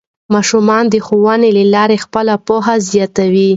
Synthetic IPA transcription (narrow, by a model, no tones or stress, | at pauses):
mɑʃumɑnd̪əxowɑnelalɑɾexpəlapoɦazjɑt̪awi